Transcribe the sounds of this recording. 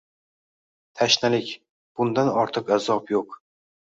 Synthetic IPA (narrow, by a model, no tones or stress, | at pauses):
t̪ʰaʃnalɪkʲ | b̥ʊnd̪anɒɾt̪ʰɨqazɒpjoq